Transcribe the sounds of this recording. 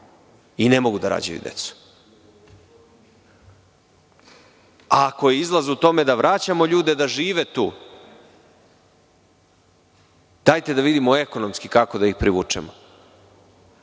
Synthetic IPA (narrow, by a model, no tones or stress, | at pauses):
ine̞mo̞ɡud̪aɾa̰d͡ʑṵjṵd̪ḛt̪su̥ | ako̞jeizlˠazut̪o̞me̞d̪aʋɾat͡ɕamo̞ʎuːd̪ed̪aʒiːʋet̪ṵː | d̪̥ajt̪e̞d̪aʋid̪imoe̞ko̞no̞mskikakod̪aixpɾiʋṵt͡ʂḛmo